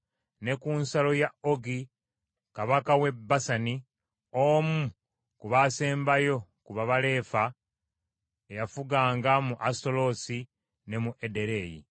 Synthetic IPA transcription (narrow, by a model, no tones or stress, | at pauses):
ne̞kunsalo̞jaoɡi | kaβakawe̞bːasani | omu | kuβase̞ːmbajo̞kuβaβale̞ːfa | ejafuɡaːŋɡamuʔasto̞lo̞si | ne̞muʔede̞ɾe̞jḭ